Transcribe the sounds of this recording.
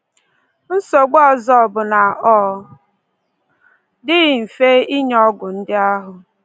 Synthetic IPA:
n̩˦so˨ɡ͡bɔ˦zɔ˦˨bʊ˨na˨ʔɔ˦ | dɪ˦ɣɪ˨m̩˨fe˦i˦ɲɔ˦ɡʊ˨n̩˦dɪ˦a˦ɦʊ˨

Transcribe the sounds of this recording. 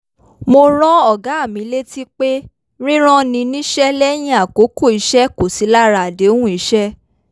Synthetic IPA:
mo˧ɾ̃ɔ̃˦ɔ˦˨ɡa˨˦˨mĩ˨˦le˦ti˦k͡pe˦ | ɾ̃ĩ˦ɾ̃ɔ̃˦nĩ˧nĩ˦ʃɛ˦lɛ˦j̃ĩ˦a˨ko˨˦ko˦˨i˨˦ʃɛ˦ko˨si˨˦la˦ɾa˨de˨˦o˦hũ˦i˨˧˦ʃɛ˦

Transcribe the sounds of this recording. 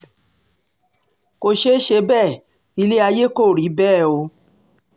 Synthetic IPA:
ko˧ʃe˦ʃe˧bɛ˦˨ | i˧le˦a˧je˦ko˦˨ɾi˨˦bɛː˦˨o˧

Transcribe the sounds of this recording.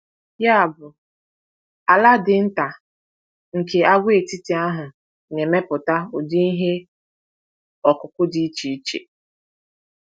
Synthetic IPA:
ja˦a˨bʊ˨ | a˨la˦dɪ˨n̩˦ta˨ | ŋ̩˨ke˨a˦ɡʷe˦e˨ti˦ti˨a˦ɦʊ˨ | ɲe˨me˦pʊ˨ta˦o˨di˦i˦ɦe˦ | ɔ˨kʊ˨kʷʊ˦di˦t͡ʃi˨i˦t͡ʃḛ˨

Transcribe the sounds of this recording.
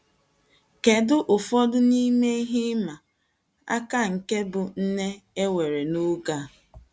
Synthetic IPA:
ke˨dʊ˦ʔʊ˨fɔ˦dʊ˦ni˦me˦i˦ɦi˦ma˨ | a̰˦ka˦ŋ̩˨ke˦bʊ˨n̩˦ne˦e˦we˨ɾe˨nʊ˦ɡa˦

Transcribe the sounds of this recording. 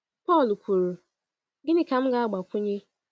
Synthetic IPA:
pɔ˦˨lkʷʰu˨ɾu˨ | ɡɪ˦nɪ˦ka˨m̩˦ɡa˦a˦ɡ͡ba˨kʷʰʊ˦ɲɪ˦

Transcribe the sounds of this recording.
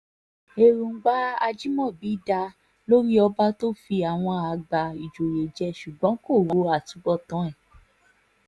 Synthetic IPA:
e˧ɾũ˧˦ɡ͡ba˦a˧d͡ʒi˦mɔ̃˦˨bi˨˦da˧ | lo˦ɾi˦ɔ˧ba˦to˦fi˧a˨w̃ɔ̃˧a˨˧ɡ͡ba˧i˨d͡ʒo˨ɾe˨d͡ʒɛ˧˦ʃu˨ɡ͡bɔ̃˨˦ko˦˨wu˨˦a˦˨tũ˨˦ɡ͡bɔ˦˨tɔ̃˨˦ɛ˦˨

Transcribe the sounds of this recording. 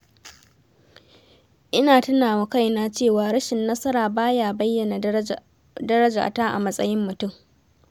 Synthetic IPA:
ʔɪ˦naː˨tʊ˦naː˨wa˨ka˦˨jnaː˦t͡ʃeː˦˨waː˨ɾɐ˦ʃɪ˨nːɐ˦sɐ˦ɾaː˨baː˦jaː˨bɐ˦jːɐ˨na˨ | dɐ˦ɾɐ˦d͡ʒa̰ː˨taː˦ʔa̰˨mɐ˦sʼɐ˦jɪ˦mːʊ˨tʊ˦˨ŋ

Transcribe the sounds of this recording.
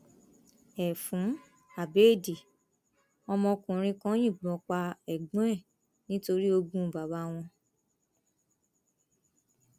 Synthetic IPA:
ɛ˨fũ˨˦ | a˨be˨˦˨di˨ | ɔ˧mɔ̃˧kũ˨ɾ̃ĩ˧kã˦j̃ĩ˦˨ɡ͡bɔ̃˨˦k͡pa˧ɛ˨ɡ͡b̃ɛ˦˨ | nĩ˦to˧ɾi˦o˧ɡũ˦˨ba˨ba˧w̃ɔ̃˧

